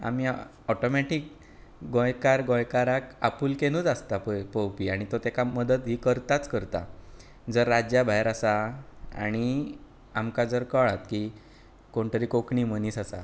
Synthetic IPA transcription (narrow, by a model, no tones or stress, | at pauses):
a̰mi | ɔʈomɛʈik̚ | ɡɔ̃jkaɾɡɔ̃jkaɾaka̰puːlkeñud͡zast̪apəpəwpiːaɽ̃it̪ot̪ekaməd̪ət̪ɦiːkəɾt̪at͡skəɾt̪a̰ | d͡zəɾːad͡ʑjabʱajɾasaa̰ɽ̃i | amkad͡zəɾkəɭat̪ki | koɳt̪əɾiːkokɳiːməniːsasa̰